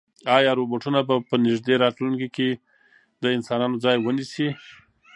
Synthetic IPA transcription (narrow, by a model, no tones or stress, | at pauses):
ɑjɑɾoboʈunabapənɪʒd̪eɾɑtlunkike | d̪əɪnsɑnɑnod͡zɑjwənisi